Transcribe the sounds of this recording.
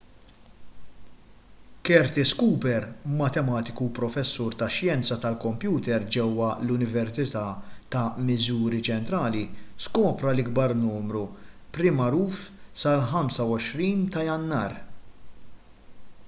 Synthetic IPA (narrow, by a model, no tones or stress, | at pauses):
kɛɾt̪ɪskuːpɛɾmɐt̪ɛmɐːt̪ɪkupɾɔfɛsːuːɾt̪ɐʃjɛnt͡sɐt̪ɐlkɔmpjuːt̪ɛɾd͡ʒɛwːɐlʊnɪvɛɾsɪt̪ɐːt̪ɐmɪzuːɾit͡ʃɛnt̪ɾɐːliskɔːpɾɐlɪɡbɐɾnuːmɾu | pɾɪmɐɾuːfsɐlħɐmsɐwɔʃɾiːnt̪ɐjɐnːɐːɾ